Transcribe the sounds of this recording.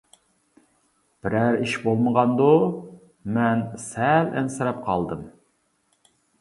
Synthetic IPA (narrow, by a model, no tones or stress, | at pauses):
b̥ɪɾæɾiʃbolˠməʁɑnd̪u | mɛnsælɛ̰nsɨɾɑp̚qʰɑlˠd̪ɨm